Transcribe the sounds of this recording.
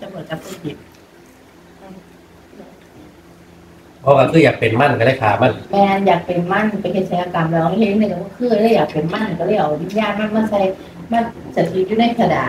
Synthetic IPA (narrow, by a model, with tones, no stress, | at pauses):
t͡ɕa˧˨mɯ˩˦nka˨˩p̚pɯː˧˥˩i˨˦t̪̚ | pʰɔː˧˩ka˧˩kʰɯː˧˩jaː˨˩k̚pe˨˩nma˥˨nkʰa˧˩da˧˥˩kʰa̰ː˨˦ma˧˥˩nmɛː˧njaː˨˩k̚pe˨nma˥˩˨npa˨˧jhe˨˧˦t̪̚sa˨˧˦jʔa˧ka˨˩mlɛ˧˩hn˧˩ka˧˩kɔ˧˥˩kʰɯː˧˩˨ɾaː˥˩jaː˨˩k̚pe˨nma˥˩na˨˩kɔ˧˩la˥˩ʔɔː˨˩˨i˧˥˩jaː˥˩k̪̚maː˥˩k̚maː˧˥˩sʰa˧˥j | maː˥˩k̚sa˨˦t̪ʰi˧˦˥juː˧˩na˧˥˩jkʰa˧na̰ː˨˦